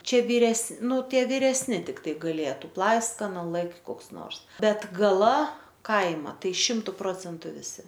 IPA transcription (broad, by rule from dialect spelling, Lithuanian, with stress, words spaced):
ˈt͡ʃʲɛ ʋʲiːˈrʲɛs ˈnʊ ˈtʲiɛ ʋʲɪrʲɛsʲˈnʲɪ tʲɪkˈtɐɪ ɡɐˈlʲeːtʊ ˈplˠɐɪskɐnɐ ˈlˠɘktʲ ˈkoːks ˈnoːrs ˈbʲɛt ɡɐˈlˠɐ ˈkɐɪmɐ ˈtɐɪ ˈʃʲɪmtʊ ˈproːt͡sʲɛntʊ ʋʲɪˈsʲɪ